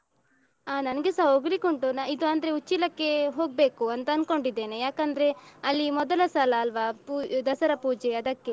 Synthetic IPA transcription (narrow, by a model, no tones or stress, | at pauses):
aːnɐnɐɡesɐɦoɡlikoɳʈunaid̪uɐnd̪ɐɾeut͡ʃːilɐkːe̞ɦo̞ːɡ̚be̞ːkuɐnt̪ɐːnko̞ɳɖid̪ːe̞ːnejaːkɐnd̪ɐɾe̞ɐlːimɔd̪ɐlɐsalɐːlʋaːpud̪ɐsɐɾɐpuːd͡ʒeɐd̪ɐkːe